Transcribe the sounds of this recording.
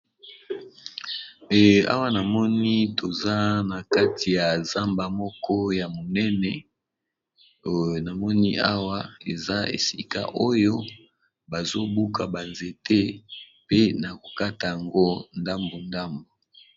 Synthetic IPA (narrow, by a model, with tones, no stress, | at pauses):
a̰˦wa˦na˨mɔ˦ni˦to˨za˦na˨ka˦tʰi˨ja˨za˦mba˨mɔ˦kʰɔ˦ja˨mo˨nɛ˦nɛ˨ | na˨mɔ˦ni˦a˦wa˦e˨za˦ḛ˨si˦ka̰˨ʔo˦jo˦ | ba˨zo˦bu˦kʰa˨ba˨nze˨te˦ | pe˦na˨ko˨ka˦ta˨ja˨ŋɡo˦nda˦mbo˨nda˦mbo˨